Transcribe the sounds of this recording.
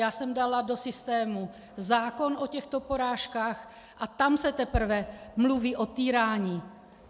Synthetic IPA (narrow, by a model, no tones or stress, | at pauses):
jaːsɛmdalado̞sɪst̪ɛːmu | zaːko̞nʔo̞cɛxt̪o̞po̞ɾaːʃkaːx | ʔat̪amsɛt̪ɛpr̩vɛmluviːʔot̪iːɾaːɲiː